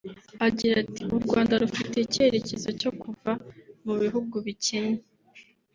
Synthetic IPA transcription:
aɟiɾatiuɾɡwaːndaɾufite̞ice̞ɾe̞ce̞zo̞co̞kuvamuβiɦuɡuβiceɲe

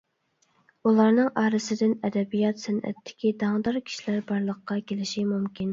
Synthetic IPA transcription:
ulˠɑɾnɨŋʔɑːɾɨsɪd̪ɪnɛd̪ɛbijɑt̪sɪnʔɛ̰t̪ʰːɪ̥kʲid̪ɑŋd̪ɑɾkʲʰi̥ʃilæɾbɑɾlˠəqːɑkʲʰelɪʃimumkʲʰin

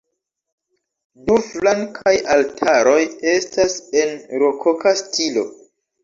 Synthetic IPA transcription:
duflaŋkʰajaltʰaɾo̞je̞stase̞nɾokʰokʰastʰilo̞̰

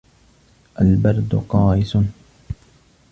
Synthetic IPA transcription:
ʔalbɑɾˤd̪ʊqɑːʔɪsʊn

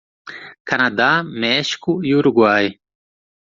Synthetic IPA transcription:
kɐnad̪amɛʃi̥kuiuɾuɡwaːj

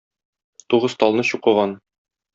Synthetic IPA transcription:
t̪uʁɤzt̪ɒlˠnɤɕuqɤ̆ʁɑn

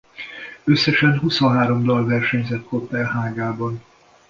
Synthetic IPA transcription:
øsːɛʃɛnɦusonɦaːɾo̞md̪ɒlvɛrʃɛɲzɛt̪kop̪ːɛlɦaːɡaːbɒn

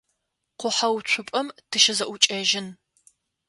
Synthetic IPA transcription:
qʷʊħawt͡ɕʷʰʊpʼɐmtʰɨʃɪzɐʔʷʊt͡ʃʼɐːʒɪn

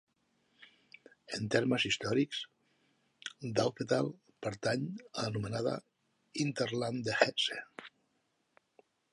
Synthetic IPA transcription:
ent̪eɾməzist̪ɔɾiks | d̪alpet̪alˠ | pəɾt̪aɲanumenaðə̰ | int̪eɾland̪exɛtse

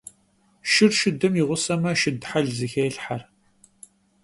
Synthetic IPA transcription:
ʃɪrʃɪdɨmjiʁʷʊsɐmɐʃɪdħaɮzɨxejɬħar

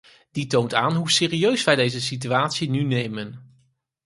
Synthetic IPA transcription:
d̥itowntaːnɦusɪːriøɥsʋɛjdejzəsit̬yaːtsinynejmən

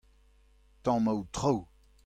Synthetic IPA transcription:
t̪ɑ̃mawt̪χow

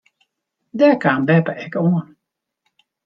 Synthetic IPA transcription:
dɛkaːnbɛpəɛkoən

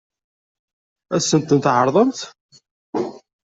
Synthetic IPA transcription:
æsənt̪ənt̪ʕəɾˤðˤəmt̪

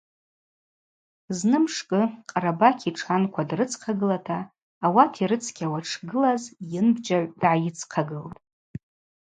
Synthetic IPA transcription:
znɨmʂkʼɨqʼaɾabakʲʰiʈ͡ʂʰankʷʰadrɨt͡sʰqʰaɡɨlatʰaː | watʰiɾɨt͡sʰkʲʼawaʈ͡ʂʰɡɨlazjɪnbd͡ʒaʕʷd̥ʕajɪt͡sʰqʰaɡɨltʼ

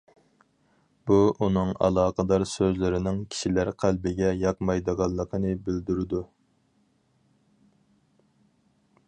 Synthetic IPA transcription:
buʔunɨŋɑ̰lˠɑːqʰəd̪ɑɾsøzlɪɾɪnɪŋkʲʰi̥ʃilæɾqʰælbɪɡʲɛjɑqmɑjd̪əʁɑlˠːəqʰənɨbɪld̪yɾɪd̪u

